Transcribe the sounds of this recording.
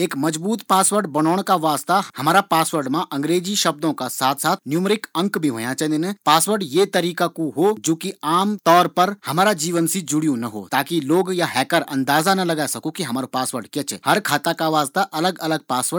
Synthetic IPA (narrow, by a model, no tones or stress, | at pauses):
eːkmɐd͡ʒbuːt̪paːsʋəɾɖbɐnɔːɽ̃kaʋaːzt̪ahɐmaːɾapaːsʋəɾɖmãʔɐ̃ŋɡɾeːd͡ʒiʃɐb̚d̪õkasaːt̪ʰsaːt̪ʰnjumɾɪkɐ̃ŋkbʱiɦoːjãt͡ʃɐ̃nd̪ɪnepaːsʋəɾɖjet̪ɐɾiːkakuɦod͡ʒoːkiaːmt̪ɔːɾpɐɾhɐmaːɾad͡ʒiːʋənsid͡ʒʊɽijõnɐɦo̰ːt̪aːkiloːɡjaɦɛːkəɾɐ̰̃nd̪aːzanɐlɐɡaːsɐkokiɦɐmaːɾopaːsʋəɾɖkjɛt͡ʃʰɛ̰hɐɾkʰaːt̪akaʋaːst̪aʔɐləɡɐləɡ̚paːsʋəɾ